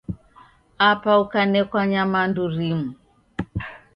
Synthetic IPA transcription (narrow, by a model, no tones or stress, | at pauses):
apaukanɛkwaɲamanduɾimu